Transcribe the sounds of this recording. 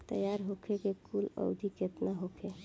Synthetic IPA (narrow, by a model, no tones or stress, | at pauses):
t̪ə̰jaɾɦokʰekekulə̰ʊd̪ʱiket̪naɦokʰe